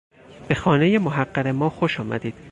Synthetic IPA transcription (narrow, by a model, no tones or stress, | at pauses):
b̥e̞xɒːne̞jemoɦæɢːæɣemɒːxoʃɒːmæ̰d̪iːd̪̥